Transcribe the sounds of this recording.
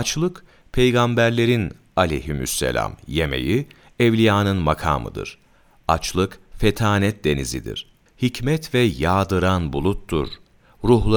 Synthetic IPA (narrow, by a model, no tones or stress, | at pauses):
t͡ʃlˠɯk | pʰejɡambæɾlʲe̞ɾin | alʲḛjɦimy̰sːḛlʲa̰mjeme̞̰ji | ɛvlʲijaːnɯnmakʰa̰ːmɯ̰d̪ɯ̰ɾ̥ | at͡ʃlˠɯkfet̪ʰaːnɛt̪̚d̪e̞nḭzḭd̪ḭɾ̥ | hicmɛt̪vɛjaːd̪ɯɾanbulˠut̪ːṵɾ̥ | ɾuɦlˠa